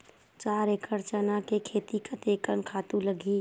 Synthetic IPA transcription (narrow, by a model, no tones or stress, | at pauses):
t͡ʃaːɾekəɾt͡ʃənakekʰeːt̪ikət̪eːkənkʰaːt̪ũləɡʱiː